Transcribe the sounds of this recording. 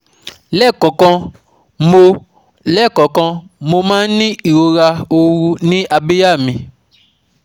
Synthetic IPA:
lɛ˦˨kɔ̃˨kɔ̃˧ | mo˧ | lɛ˦˨kɔ̃˨kɔ̃˧mo˧mãː˦n̩˦nĩ˦i˨ɾo˧ɾa˧o˧wu˦nĩ˦ʔa˧be˦ja˦˨mĩ˧

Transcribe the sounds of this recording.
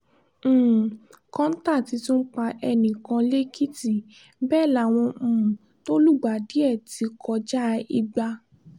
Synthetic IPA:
kã˦n̩˦ta˦˨ti˧tu˦n̩˦k͡pa˧ʔɛ˧nĩ˨kã˧le˦kʰi˦ti˦˨ | bɛː˦˨la˨w̃ɔ̃˧ũ˨ | to˦lu˦˨ɡ͡ba˨di˨˦ɛ˦˨ti˧kʰɔ˧d͡ʒa˦˧i˧ɡ͡ba˧

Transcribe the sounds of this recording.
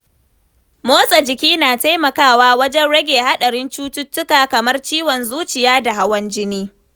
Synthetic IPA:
moː˦sʼɐ˨d͡ʒɪ˨kʲiː˦naː˨ta˦jmɐ˨kaː˦˨waː˦wɐ˦d͡ʒɛ˦nɽɐ˦ɡʲeː˨ha˦ɗɐ˨ɽɪ˦nt͡ʃuː˦tʊ˦tːʊ˦kaː˨kɐ˨mɐ˦rt͡ʃiː˦wɔ˨nzuː˦t͡ʃɪ˨jaː˦da˨ha˦wɐ˦nd͡ʒɪ˦niː˦

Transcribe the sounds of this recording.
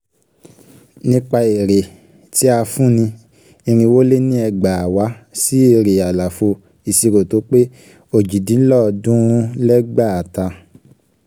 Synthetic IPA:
nĩ˦k͡pa˧e˨ɾe˨ | ti˨˦a˧fũ˦nĩ˧ | ĩ˧ɾ̃ĩ˧wo˦le˦nĩ˦ɛ˧ɡ͡ba˨a˨wa˨˦si˦e˧ɾe˨a˨la˨fo˧ | i˨si˧ɾo˨to˨˦k͡pe˦ | o˦˨d͡ʒi˨dĩ˨˦lɔ˦˨dũ˦lɛ˦ɡ͡ba˦˨a˨ta˧

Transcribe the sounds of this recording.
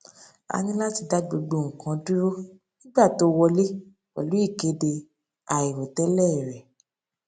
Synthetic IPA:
a̰˧nĩ˦la˦ti˧da˦ɡ͡bo˧ɡ͡bo˧˨ŋ̩̃˨kã˨˧du˦ɾo˦ | nĩ˦ɡ͡ba˦˨to˨˦wɔ˧le˦ | wa̰˨lu˨˦i˦˨ke˨˦de˧ | a˨i˨ɾo˨tɛ˦lɛ˦˨ɾɛ˨

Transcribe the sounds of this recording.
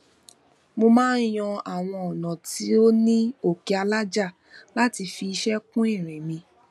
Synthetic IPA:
mo˧mãː˦n̩˦j̃ɔ̃˧a˨w̃ɔ̃˧ɔ˨nã˨ti˨˦o˦nĩ˦o˦˨ke˧a˧la˦d͡ʒa˦˨ | la˦ti˧fi˧i˧ʃɛ˦kũ˦ɛ˦˨ɾ̃ɛ̃˨mĩ˧

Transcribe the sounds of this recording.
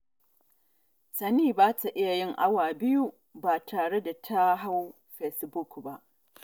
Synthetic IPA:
sɐ˨niː˦baː˦ta˨ʔɪ˦ja˨jɪ˦ŋʔa˦waː˨bɪ˦ju˦ | baː˨tʰaː˨ɽe˦da˨tʰa˦ɦa˦w | ɸe˨sbʊ˦˨kba˦ʔ

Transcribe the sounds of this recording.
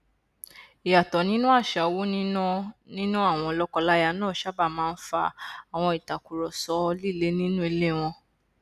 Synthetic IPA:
i˨ja˨tɔ˨nĩ˦nũ˦a˦˨ʃa˨˦wo˦nĩ˦nã˦nĩ˦nũ˦a˦˨w̃ɔ̃˧lɔ˦kɔ˧la˦ja˧nãː˦˨ʃa˦ba˦˨mãː˦˧n̩˦fa̰˧a˨w̃ɔ̃˧i˨ta˨ku˨ɾɔ˨sɔ˨˦li˦˨le˦nĩ˦nũ˦i˧le˦˨w̃ɔ̃˧

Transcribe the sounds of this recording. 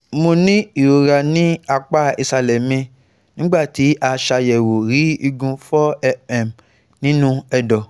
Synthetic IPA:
mo˧nĩ˦i˦˨ɾo˨ɾa˧nĩ˦a˧k͡pa˦˨i˧sa˧lɛ˨mĩ˧˨ | nĩ˨˦ɡ͡ba˦˨ti˨˦ʔa˧ʃa˧jɛ˨wo˨ɾi˨˦i˧ɡũ˧fɔ˦ɛ˧ɛ˨m | nĩ˦nũ˦ɛ˧dɔ˨

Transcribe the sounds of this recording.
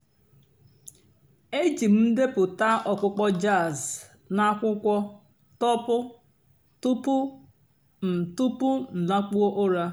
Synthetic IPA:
e˦d͡ʒi˨m̩˦n̩˦de˦pʊ˨ta˦ʔɔ˨kʊ˦k͡pɔ˦d͡ʒa˦˨z | na˦kʷʊ˦kʷɔ˦ | tɔ˦pʊ˦ | tu˦pʊ˦ | m̩˨tu˦pʊ˦n̩˨na˦k͡pu˦o˦ʔo˦ɾa˦

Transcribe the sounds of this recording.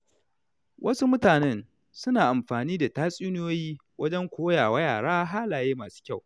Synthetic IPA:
wʔɐ˦su˦mʊ˦taː˨nɛ˦n | sʊ˦naː˨ʔa˨mɸaː˨niː˦da˨taː˦sʼiː˦n˦joː˦jiː˦ | wɐ˦d͡ʒɛ˦ŋkʷoː˦jaː˨wɐ˦jaː˨ɽaː˦ɦaː˦laː˨jeː˦maː˨su̥ː˦kʲa˦˨w

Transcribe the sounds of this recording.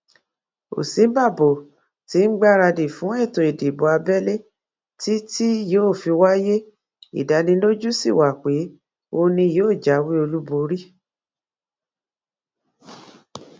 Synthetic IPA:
o̰˨sĩ˨˦ba˦˨bo˨ | ti˨˦ŋ̩˦ɡ͡ba˦ɾa˧de˨fũ˨˦ɛ˦˨tõ˨e˨de˨bo˨˦a˧bɛ˦le˦ | ti˦ti˦joː˦˨fi˧wa˦je˦ | ḭ˨da˨˦nĩ˧lo˦d͡ʒu˦sḭ˦˨wa˨k͡pe˨˦ | o˧nĩ˧joː˦˨d͡ʒa˨˦wi˦o˧lu˦bo˧ɾi˦

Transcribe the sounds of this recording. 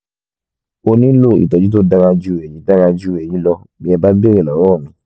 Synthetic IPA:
o˧nĩ˦lo˦˨ḭ˨tɔ˨d͡ʒi˨˦t̬o˦da˧ɾa˧d͡ʒu˦˨ɛ˨jĩ˨˦da˦˧ɾa˧d͡ʒu˦˨ɛ˨jĩ˨˦lɔ˧ | bi˨˦ɛ˧ba˦be˦˨ɾɛ˦˨lɔ˨˦ɾɔ˦˨nĩ˨˦

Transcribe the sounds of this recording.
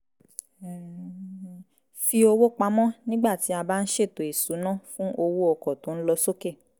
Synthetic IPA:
fi˧o˧wo˦k͡pa˧˦mɔ̃˦nĩ˦ɡ͡ba˦˨ti˨˦a˧ba˦n̩˦ʃe˦˨to˨e˨su˨˦nã˦˨fũ˦ʔo˧wo˦ɔ˧˨kɔ˨to˨˦n̩˦lɔ˧so˦ke˦˨

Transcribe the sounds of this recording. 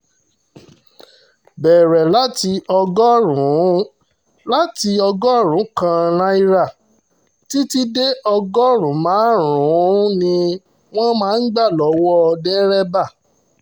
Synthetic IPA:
bɛː˨ɾɛ˨la˦ti˧ɔ˧ɡɔ˦ɾũ˨˦ | la˦ti˧ɔ˧ɡɔ˦˨ɾ̃ũ˨˦kã˧ɾ̃ã˦i˦˧ɾa˦˨ | ti˦ti˦de˦ɔ˧ɡɔ˦ɾũ˨˦mãː˨˦ɾũ˨˦nĩ˧ | w̃ɔ̃˦mãː˨˦n̩˦ɡ͡ba˦˨lɔ˨˦wɔ˦˧dɛ˦ɾɛ˦ba˦˨

